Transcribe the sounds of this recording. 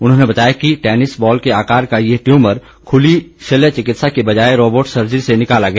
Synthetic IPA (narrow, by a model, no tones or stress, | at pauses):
ʊnɦõːnebɐt̪aːjakiʈɛːnɪsbɔːlkeaːkaːɾkajeʈjũːməɾ | kʰʊliʃelet͡ʃɪkɪt̪sakebɐd͡ʒaːeɾoːboːʈsɐɾd͡ʒəɾisenɪkaːlaɡɐjaː